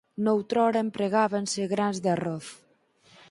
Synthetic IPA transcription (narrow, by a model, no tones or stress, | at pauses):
nowt̪ɾɔɾempɾeɣaβenseɣɾanzd̪arɔθ